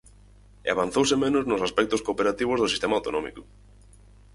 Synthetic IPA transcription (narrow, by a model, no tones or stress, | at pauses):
ḛaβãn̟θowsɪmenʊznʊsaspɛk̚t̪oskoːpeɾat̪iβ̞ozðʊsist̪emawt̪o̰nɔmḭkʊ̥